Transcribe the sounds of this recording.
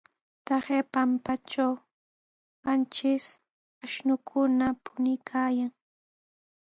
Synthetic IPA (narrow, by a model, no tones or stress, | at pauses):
t̪ahepampat͡ʃaw | hant͡ʃɪs | aʃnʊkʰʊnapʊnɪkʰaːjaŋ